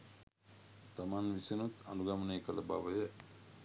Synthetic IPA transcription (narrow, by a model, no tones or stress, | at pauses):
t̪amanʋisenut̪a̰nuɡɐməneːkələba̰ʋəjə